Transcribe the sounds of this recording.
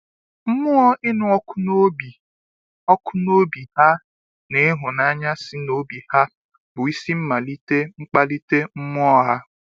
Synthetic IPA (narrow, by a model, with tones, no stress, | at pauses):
m̩˦mʊ˦ɔ˦ʔɪ˦nʊ˨ɔ˦kʊ˦no˦bi˨ | ɔ˦kʰʊ˦no˦bi˨ha˦ | ne˨˦ɦʊ˨na˦ɲa˦sɪ˦no˦bi˨ha˦ | bʊ˨i˦si˦m̩˦ma˨li˦te˦ŋ͡m̩˦k͡pa˦li˦te˦m̩˦mʊ˦ɔ˦ɦa˦